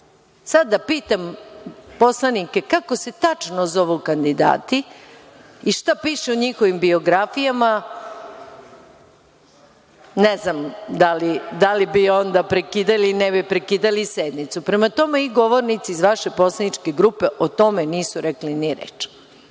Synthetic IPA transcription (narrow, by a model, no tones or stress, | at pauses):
sad̪ːapiːt̪ampo̞slˠanike̞kakose̞t̪at͡ʃnozo̞ʋokand̪id̪a̰ːt̪i | iʃt̪apiʃeuɲixo̞ʋimbio̞ɡɾafijama | neznamd̪alid̪alibio̞nd̪apɾekid̪alinɛbipɾekiːd̪alised̪mit̪supɾe̞mat̪o̞me̞iɡo̞ʋo̞ɾnit̪siːzʋaʃe̞po̞slˠanit͡ʃke̞ɡɾuːpe̞ʔot̪o̞meniːsuɾekliniɾḛːt͡ʃ